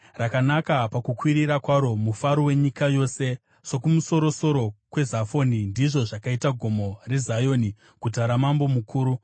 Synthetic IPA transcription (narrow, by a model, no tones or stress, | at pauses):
rakanakapakukwiɾiɾakwaɾo̞mufaɾowe̞ɲikajo̞se̞ | ʂo̞kumuso̞ɾo̞so̞ɾo̞kwe̞zafo̞nindiʐo̞ʐakaitaɡʱo̞mo̞re̞zajo̞ni | kutaɾamambo̞mukʰuːɾu